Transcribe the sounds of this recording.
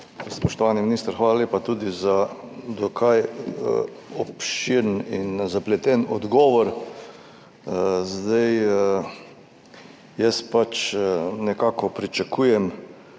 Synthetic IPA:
spɔʃt̪ɔʋaːniminiːst̪əɾxʋaːlaleːpat̪ud̪iza | d̪ɔkʰaj | ɔpʃiɾninzaplɛt̪ɛnɔd̪ɡɔːʋɔɾ | zd̪aj | jɛspat͡ʃnɛkaːkɔpɾit͡ʃakʰuːjɛm

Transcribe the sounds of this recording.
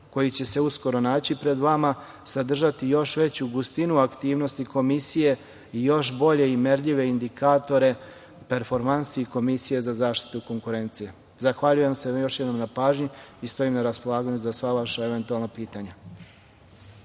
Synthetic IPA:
ko̞jit͡ɕe̞se̞usko̞ɾo̞naːt͡ɕipɾe̞d̪ʋama | sad̪r̩ʒat̪ijo̞ʃʋe̞t͡ɕuɡust̪inuakt̪iːʋno̞st̪iko̞misije̞ | ijo̞ʃbo̞ʎe̞imeɾʎiʋe̞ind̪ikaːt̪o̞ɾe̞ | pe̞ɾfo̞ɾmansiiko̞misije̞zazaːʃt̪i̥t̪uko̞ŋkuɾe̞nt̪sije | zaxʋaʎuje̞msejo̞ʃjed̪nomnapaːʒɲiist̪o̞imnaɾaspo̞lˠaːɡaɲuzasʋaʋaʃaeʋe̞nt̪ualˠnapiːt̪aɲa

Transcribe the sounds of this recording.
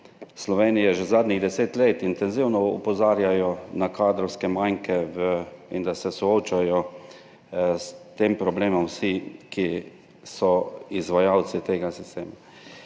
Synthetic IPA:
slɔʋeːnijɛʒɛzaːd̪niɣd̪ɛseːt̪leːt̪int̪ɛnziwnɔṵpɔzaːɾjajɔnakaːd̪ɾɔwskɛmajŋkɛvəind̪asɛsɔoːt͡ʃajɔ | st̪eːmpɾɔbleːmɔmwsiki | sɔizʋajaw̪sit̪eːɡasist̪ḛːma

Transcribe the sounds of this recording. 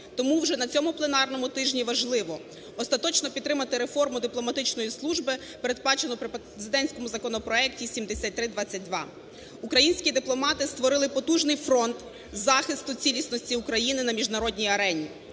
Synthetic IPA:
t̪ɔmuwʒɛnɐt͡sʲɔmʊplˠenɑrnɔmʊt̪ɪʒnʲiʋɐʒlˠɪʋɔ | ɔst̪ɐt̪ɔt͡ʃnɔpʲid̪ɾɪmɐt̪ɪɾefɔrmʊd̪ɪplˠɔmɐt̪ɪt͡ʃnɔjislˠuʒbɪ | peɾe̞d̪̚bɑt͡ʃenɔpɾɪp | ezɪd̪ɛnʲsʲkɔmʊzɐkɔnɔpɾɔɛk̚tʲisʲimd̪esʲat̚ʲt̪ɾɪd̪ʋɑt͡sʲːɐt̚ʲd̪ʋɑ̰ | ukɾɐjinʲsʲkʲid̪ɪplˠɔmɑt̪ɪst̪ʋɔɾɪlˠɪpɔt̪uʒnɪjfɾɔnt̪ | zɑxɪst̪ʊt͡sʲilʲisnɔsʲtʲiukɾɐjinɪnɐmʲiʒnɐɾɔdʲnʲijɐɾɛnʲi

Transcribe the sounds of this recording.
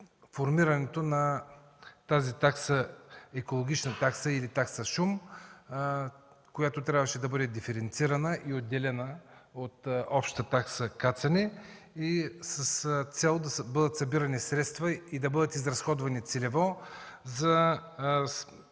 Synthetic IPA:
foɾmiɾɐnɛt̪onɐ | t̪azit̪aksəɛkolˠoɡ̟ʲit͡ʃnət̪aksəilit̪aksəʃum | kojat̪ot̪ɾʲabvəʃɛd̪ɐbɤd̪ɛd̪ifɛɾɛnt̪siɾɐnəʔiod̪ːɛlɛnəot̪ɔpʃt̪ət̪aksəkat̪sɐnɛ | isəst̪sɛlˠd̪ɐbɤd̪ət̪sɐbiɾɐnisɾɛt̪st̪vəid̪ɐbɤd̪ət̪izɾɐsxɔd̪vɐnit̪sɛlɛvɔzɐ

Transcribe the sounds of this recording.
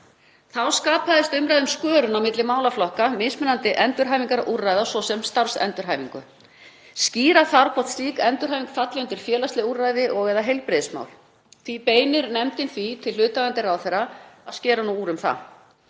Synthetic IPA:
θawskaːpaðɪst̪ʏmɾajðʏmskœːɾʏnawmɪt̪lɪmaːwlaflɔhkamɪsmɛnant̪ɪʔɛnt̪ʏɾ̥ɦajviŋkaɾaʔurːajðawsɔsɛmst̪aɾ̥sɛ̰nt̪ʏɾ̥ɦaːjmiŋkʏ̰ | sciːɾaθaɾkʰɔht̪sliːkɛnt̪ʏɾɦajviŋkfat̪lɪʏnt̪ɪɾ̥fjɛːlast̪lɪurːajðɪʔɔɣɛːðaɦejlpɾɪðsma̰wl | θvipeːjnɪɾnɛmt̪ɪnθvit̪ʰɪlːʏːt̪aɣant̪ɪraːwθɛrːaaðscɛːɾanuuːɾʏmθa̰

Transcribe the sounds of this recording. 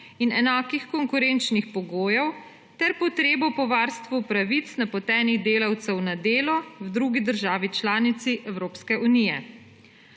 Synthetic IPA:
inɛnaːkixkɔŋkuɾent͡ʃnixpɔɡoːjɛw | t̪ɛɾpɔt̪ɾeːbɔpɔʋaːɾst̪ʋupɾaʋit̪snapɔt̪ɛːniɣd̪eːlawt̪sɛwnad̪eːlɔwd̪ɾuːɡid̪əɾʒaːʋit͡ʃlaːnit̪siʔɛwɾoːpskɛʔunijɛ

